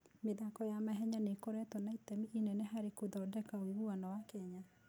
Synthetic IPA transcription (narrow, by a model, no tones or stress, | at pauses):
meðakɔjamaɦɛɲanekoɾɛtɔnaitɛmiʔinɛneɦaɾekoðɔdɛkaoɣuanawakɛɲa